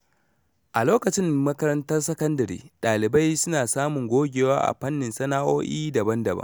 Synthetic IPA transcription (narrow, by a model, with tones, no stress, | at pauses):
ʔa˨loː˦kɐ˨t͡ʃɪ˦mmɐ˦kɐ˦ɾɐ˦ntɐ˦rsɐ˦kɐ˦ndɐ˨ɾḭː˦ɗaː˨lɪ˨ba˦jsʊ˦naː˨saː˦mʊ˨ŋɡʷoː˦ɡʲeː˨waː˦ʔa̰˨ɸɐ˦nːɪ˨nsɐ˦naː˦ʔoː˦ʔiː˦dɐ˨bɐ˦ndɐ˨bɐ̰˦